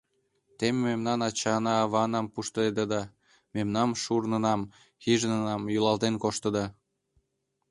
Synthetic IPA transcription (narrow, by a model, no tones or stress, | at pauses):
t̪emeːemnɑnɑt͡ɕɑnɑːβɑnɑmpuʃt̪əed̪əd̪ɑ | memnɑmʃurnənɑm | xiʒnənɑmjulɑlt̪enkoʃt̪ə̆d̪ɑ